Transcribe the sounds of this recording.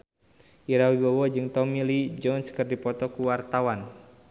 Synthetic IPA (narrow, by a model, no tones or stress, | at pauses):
ʔiɾawibɔwɔd͡ʒɨŋt̪ɔmilid͡ʒɔnskɨrdipɔt̪ɔkuwart̪awan